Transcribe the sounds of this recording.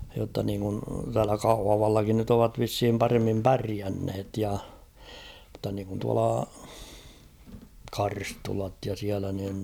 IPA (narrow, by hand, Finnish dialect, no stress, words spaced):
jotːɑ niːŋkun tæːlæ kɑuhɑʋɑlːɑkin nyt oʋɑt ʋishim pɑremːim pæriænhet jɑ mŭztːɑ niŋkun tuɑlɑ kɑrstulɑt jɑ siælæ niːn